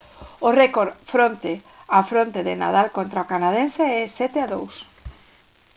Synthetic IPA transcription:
ʊrɛkoɾfɾont̪e | afɾont̪eðɪna̰ðalkont̪ɾaokanaðenseɛsɛt̪eaðows

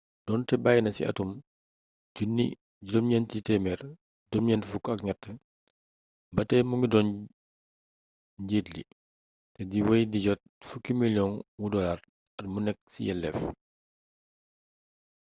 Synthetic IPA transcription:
d̥ɔntɛbaːjnɐsḭɐ̰tum | ɟunːḭ | ɟudɔmɲɛntitɛmɛr | dɔmɲɛntfukɐkɲɐtːə | bɐtɛmuŋɡidɔn | ɟeːtlḭ | tɛdiwɐjdiɟɔt̚fukːimiljɔnwudɔlar | ɐtmunɛk̚sḭjɛlːɛ̰f

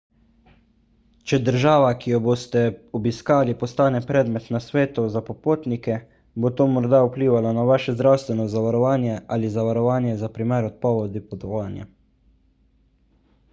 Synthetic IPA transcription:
t͡ʃɛd̪əɾʒaːʋakijɔboːst̪ɛɔbiskaːlipɔst̪aːnɛpɾɛːd̪mɛt̪nasʋeːt̪uzapɔpoːt̪nikɛ | bot̪oːmɔɾd̪aupliːʋalanaʋaːʃɛzd̪ɾawst̪ʋɛnɔzaʋaɾɔʋaːnjɛʔalizaʋaɾɔʋaːnjɛzapɾimeɾɔt̪̚pɔʋɔd̪ipɔt̪ɔʋaːnja̰

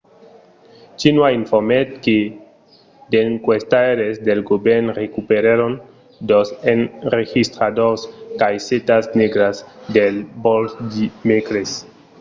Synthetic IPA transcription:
t͡ʃinwaiɱfoɾmet̪̚ke | d̪eŋkwest̪aɾezd̪elɡobeɾnrekupeɾaɾon | d̪osenrexist̪ɾad̪oskajset̪asneɡɾazd̪elbolsd̪imekɾes

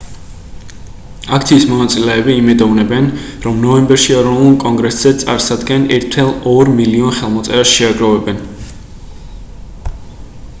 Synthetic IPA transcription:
ak̚ʰt̪sʰiːsmɔnat̪sʼilɛːbiːmɛd̪ɔvnɛbɛnɾɔmnɔɛmbɛɾʃiɛɾɔnulˠkʼɔŋɡɾɛsz̥ɛt̪sʼa̰ɾsad̪ɡɛnɛɾt̪ʰɛlˠɔɾmiliɔnχɛlˠmɔt̪sʼɛɾasʃɛaɡɾɔvɛbɛn

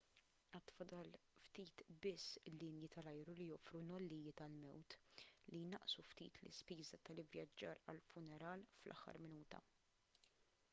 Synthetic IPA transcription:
ɛt̪ːfɐd̪ɐlft̪iːt̪bɪsːɪlːɪnjɪt̪ɐlɐjɾulijɔːfɾunɔlːiːjɪt̪ɐlmɛwt̪lijnɐʔsuft̪ḭːt̪lɪ̰spiːzɐt̪ɐlɪvjɐd͡ʒːɐːɾɐ̰lfʊnɛɾɐːlflʔɐ̰ħːɐ̰ɾmɪnuːt̪ɐ̰

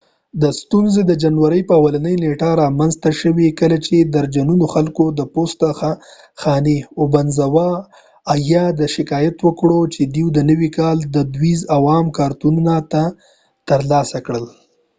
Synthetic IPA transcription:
d̪əst̪unzed̪əd͡ʒanwaɾəjpəawalanəjneʈaɾɑmanzt̪aʃəwikəlat͡ʃed̪aɾd͡ʒanunoxalkod̪əpost̪ax | xɑneobanzawɑː | jɑd̪əʃɪkɑjat̪wəkɽot͡ʃed̪iwd̪ənəwikɑld̪əd̪wizawɑmkɑɾt̪ununat̪a | t̪əɾlɑsakɽəl

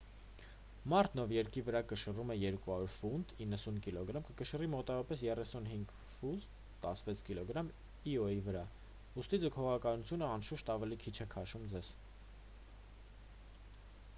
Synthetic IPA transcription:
mɑɾt̪nɔvjɛɾkivəɾɑkəʃərumɛjɛɾkuɦɑɾuɾfund̪inːəsunkilɔɡɾɑmkəkəʃərimɔt̪ɑvɔɾɑpɛsjɛrɛsunɦiŋɡ | fuz | t̪ɑsvɛt͡sʰkilɔɡɾɑm | iɔivəɾɑ | ust̪id͡zəkʰɔʁɑkɑnut͡sʰjunəɑnʃuʃt̪ɑvɛlikʰit͡ʃʰɛkʰɑʃumd͡zɛz̥

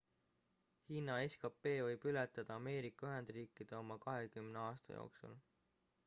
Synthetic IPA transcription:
hiːnːɑeskɑpːe̞ːvɤjb̥ylet̪ːˑɑd̪̥ɑɑme̞ːɾikːˑɑyɦe̞nd̪̥riːkːˑid̪̥e̞o̞mɑkɑɦe̞kymneɑːst̪ɑ̰jo̞̰ːksṵl

